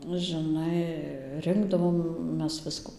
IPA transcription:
nʊ ʒʲɪˈnɐɪ ˈrʲɪŋɡdɐʋoːm ˈmʲɛs ˈʋʲɪskuː

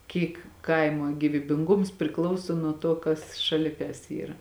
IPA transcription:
ˈkʲiːk ˈkɐɪmoː ɡʲiːʋʲiːbʲɪŋˈɡʊms pʲrʲɪˈklˠɐʊsoː nuɔ ˈtoː kɐs ʃɐˈlʲɪ kɐs ˈiːrɐ

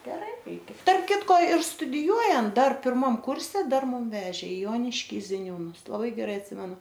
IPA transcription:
ɡʲɛˈrɐɪ ˈrʲɛɪkʲɛ tɐrp ˈkʲɪtkoː ɪr stʊdʲɪˈjuɔjɛnt ˈdɐr pʲɪrˈmɐm ˈkʊrʲsʲɛ ˈdɐr ˈmʊm ˈʋʲæːʒʲeː ɪ ˈjoːnʲɪʃʲkʲiː zʲɪˈnʲuːnʊs lˠɐˈbɐɪ ɡʲɛˈrɐɪ ɐtʲˈsʲɪmʲɛnʊ

